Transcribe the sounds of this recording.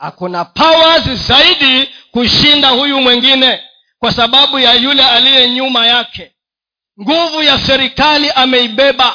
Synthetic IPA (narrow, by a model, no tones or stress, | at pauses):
ha̰kunapawazizaiɗikuʃindahujumwɛŋɡinɛ | kwasaɓaɓujajulɛalijɛɲumajakɛ | ŋɡuvujasɛɾikaliʔamɛiɓɛɓa